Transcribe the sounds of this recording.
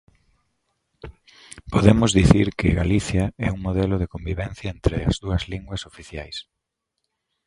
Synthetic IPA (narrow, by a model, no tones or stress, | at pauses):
poðemʊzðiθiɾkɪɣaliθjɐɛuŋmoðɛlʊð̞ekombiβɛn̟θjɐent̪ɾɪɐ̰zðuɐzliŋɡwɐsofiθja̰js